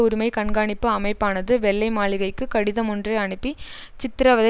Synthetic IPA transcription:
ʊɾʊmɐɪkɐɳɡaːɳɪpːɯɐmɐɪpːaːnɐðɯʋɛɭːɐɪmaːɭɪɣɐɪkːɯkɐɽɪðɐmɔndrɐɪɐɳɯpːit͡ʃɪt̪ːɪɾɐʋɐðɐ

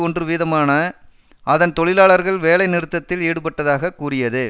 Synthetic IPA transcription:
ɔndrɯʋiːðɐmaːnɐ | ʔɐðɐnt̪ɔɭɪlaːɭɐɾɣɐɭʋeːlɐɪnɪɾɯt̪ːɐt̪ːɪleːɽɯpɐʈːɐðaːɣɐkːuːrɪjɐðɯ

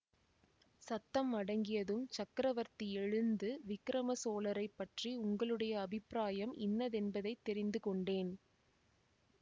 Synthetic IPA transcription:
sɐt̪ːɐmːɐɽɐŋɡɪjɐðɯmt͡ʃɐkɾɐʋɐɾt̪ɪɛɻɯnd̪ɯʋɪkːɾɐmɐsoːlɐɾɐɪpːɐʈriʊŋɡɐɭɯɽɐjɐːbɪpːɾaːjɐmʔɪ̰nːɐðɛnbɐðɐɪt̪ːɛɾɪnd̪ɯkɔɳɖeːn

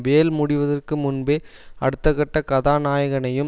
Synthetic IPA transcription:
ʋeːlmʊɽɪʋɐðɐrkɯmʊnbeːɐɽɯt̪ːɐɣɐʈːɐkɐðaːnaːjɐɣɐnɐjɯm

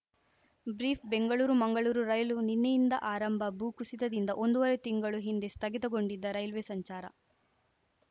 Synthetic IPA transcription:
bɾiːpʰbe̞ŋɡɐɭuːɾumɐŋɡɐɭuːɾuɾɐjluninːejind̪ɐʔaːɾɐmbʱɐbuːkusid̪ɐd̪ind̪ɐʔo̞nd̪uʋɐɾet̪iŋɡɐɭuɦind̪e̞st̪ʰɐɡit̪ɐɡo̞ɳɖid̪ːɐɾɐjlʋeːsɐɲt͡ʃaːɾɐ̰

